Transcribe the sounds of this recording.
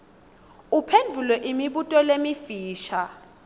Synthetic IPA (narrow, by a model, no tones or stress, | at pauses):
upʰend͡ɮʱulɛʔimiɓutʼɔlemifiːʃa